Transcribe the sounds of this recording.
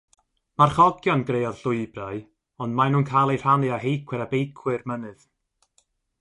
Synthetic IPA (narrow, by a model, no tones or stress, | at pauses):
marχɔɡjɔnɡrejɔð̥ɬʊɨbraɨ | ɔndmanuːnkʰajlˠejr̥anɨahejkʰwɨɾabejkʰwɨrmənɨð